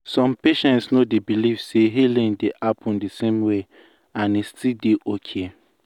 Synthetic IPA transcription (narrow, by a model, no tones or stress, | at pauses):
sɔ̃mpeʃɛ̃ntsnodebilivseɦelĩndeʔapʰɔ̃ndisẽmwe | ãnestildeʔokʰe